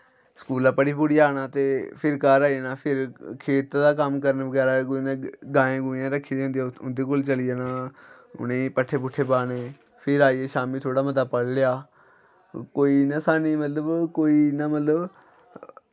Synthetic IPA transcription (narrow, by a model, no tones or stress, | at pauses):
sə̥kuːlãːpəɽiːpʊɽiaːnaːt̪eːpʰɪɾkaːɾaːinaːpʰɪɾkʰeːt̪aːd̪aːkəmkəɾənʋəɡɛːɾaːɡonẽːɡãːẽːɡʊːjãːɾəkʰːiːd̪ːʊ̃nd̪ijãʊnd̪eːk̬ʊlt͡ʃəliaːnãːʊ̰nẽːpəʈʰːeːp̬ʊʈʰːeːpaːneː | pʰɪɾaːiːeːʃaːmiːt̪ʰoːɽaːmət̪aːpəɽlɪjaː | koːiːnãːsaːniːmət̪ləbkoːiːnãːmət̪ləb